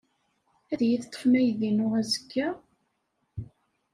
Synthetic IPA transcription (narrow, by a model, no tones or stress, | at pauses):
æðjəθt̪ˤːə̥fnæjðinʊʁæzəkːæ